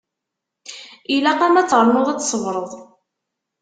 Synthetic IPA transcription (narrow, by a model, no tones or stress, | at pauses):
ilæqæmæt͡sːʁəɾˤnʊðˤæt͡sːsˤəvɾˤəðˤ